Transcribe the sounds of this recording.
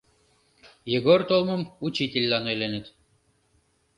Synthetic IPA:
jeɡort̪olˠmɤ̆mut͡ɕit̪ʲilʲːɑnojlʲenet̪

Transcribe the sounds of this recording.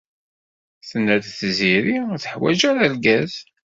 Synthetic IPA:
θənːæðθziɾiθə̥ħwæ̰ʒæɾælɡæz

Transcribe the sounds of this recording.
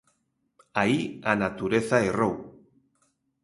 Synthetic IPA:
aianat̪uɾeθaerow

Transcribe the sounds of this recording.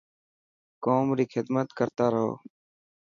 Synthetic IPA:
koːmɾiːkʰɪd̪mət̪kəɾt̪aːɾəɦo̰ː

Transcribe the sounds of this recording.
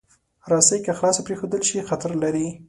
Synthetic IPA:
ɾɑsəjkaxlɑsapɾexod̪əlʃixat̪aɾlaɾi

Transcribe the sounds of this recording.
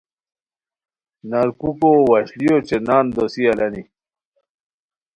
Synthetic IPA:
nɐɾkukowɐɕlijot͡ɕenaːnd̪osiɐlɐni

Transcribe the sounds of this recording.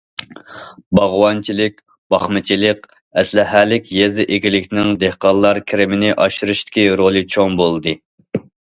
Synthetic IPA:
bɑʁwɑnt͡ʃʰilɪk̚ʲ | b̥ɑχmɨt͡ʃʰilɪq | ɛslɪɦælɪkʲjezɪʔeɡʲilɪkʲnɪŋd̪ehqɑllˠːɑɾkʲʰɪɾɪmɪnɪʔɑʃɾɨʃt̪ʰɪ̥kʲiɾolˠɨt͡ʃʰoŋbolˠd̪ɨ

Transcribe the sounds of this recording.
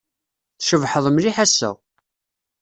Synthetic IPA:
θʃəvħəðˤmliħæsːæ̰

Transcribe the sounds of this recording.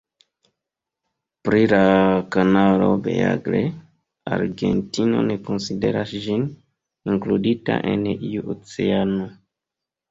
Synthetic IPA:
pɾilakanalo̞̰bḛa̰ɡɾe | aɾɡentino̞̰neko̞nside̞ɾasʒin | iŋkludita̰ʔeniuʔot͡seano

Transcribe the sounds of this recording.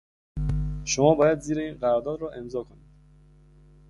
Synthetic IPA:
ʃomɒːbɒːjæd̪ziːɾeiːnɢæɾɒːɾd̪ɒːd̪ɾɔːʔe̞mzɒːkʰo̞nid̪̥

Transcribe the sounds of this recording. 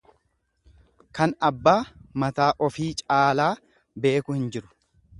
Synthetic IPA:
kɐnɐbːaːmɐt̪aːʔɔfiːt͡ʃʼaːlaː | be̞ːkʊhɪnd͡ʒɪɾʊ̥

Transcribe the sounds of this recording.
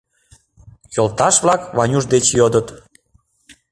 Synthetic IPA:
jolt̪ɑʃβlɑkβɑnʲuʒd̪et͡ɕjod̪ət̪

